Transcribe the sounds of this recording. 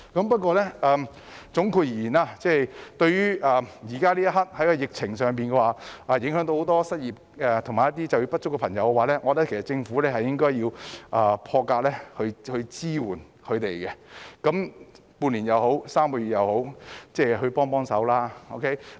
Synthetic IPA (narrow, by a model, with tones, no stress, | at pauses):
kɐ˨˥mpɐ˥t̚kʷɔː˧lɛ˥ʔɛː˨˧ | t͡sʊ˨˥ŋkʰuː˧ji˨˩iː˨˩naː˧t͡sɛː˥t̪ɵ˧ɥɥyː˥ʔɐː˨jiː˨˩kaː˥liː˥jɐ˥ɦɐ˥t̚hɐ˨˥jkɔ˧jɪ˨k̚t͡sʰɪ˨˩ŋsœː˨ŋp̬i˨nkɛ˧waː˨˩ʔaː˨˧jɪ˨˥ŋɦœ˨˥ŋt̪o˧who˨˧wt̪ɔː˥sɐ˥t̚jiː˨p̚ɛ˨t̪ʰʊ˨˩maː˨jɐ˥t̬̪̚ːiː˥t͡sɐ˨wjiː˧wpɐ˥t̚t͡ʃʊ˥kɛ˧pʰɐ˨˩ŋjɐ˨˧wkɛ˧waː˨lɛː˥ŋɔː˨˧lɛ˥kʰe˨˩sɐ˨˩t͡sɪ˧ŋfu˨˥lɛː˥hɐ˨jɪ˥ŋkɔː˥jːiː˧wʔaː˨˧pʰɔː˧kaː˧k̚lɛ˥hɵ˧ɥhɵ˧t͡siː˥wuː˨˩n | kʰɵ˨˧t̪e˨jkɛ˧kɐ˨˥m | puː˧nliː˨˩jɐ˨˧wɦo˨˥wsaː˥mkɔː˧˩ɥy˨˩jɐ˨˧who˨˥wt͡sɛː˥˩ɦɵ˧ɥpɔː˥ŋpɔː˥ŋsɐ˨˥wlaː˥o˧wkʰe˦˥j